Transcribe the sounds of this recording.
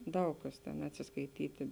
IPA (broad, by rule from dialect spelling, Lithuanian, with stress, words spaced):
ˈdɐʊk kɐs tʲɛn ɐtʲsʲɪskɐɪˈtʲiːtʲɪ